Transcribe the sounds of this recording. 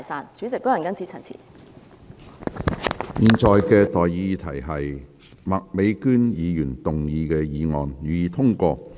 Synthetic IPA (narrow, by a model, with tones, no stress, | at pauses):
jsaː˨nt͡syː˨˥t͡sɪ˨k̚t̪ɔː˨˥jɐ˨nkɐ˥nt͡sʰiː˨˧˥t͡sʰɐ˨˩nt͡sʰḭː˨˩ | miː˨nt͡sɔː˨jkɛː˧t̪ɔː˨ji˧t̪ʰɐ˨˩jɦɐ˨j | mɐ˨k̚me˨˧jkyː˥njiː˨˧jyː˨˩nt̪ʊ˨ŋjiː˨˧kɛː˧jiː˨˧ŋɔː˨njyː˨˧jiː˨˧t̪ʰʊ˥ŋkʷɔː˧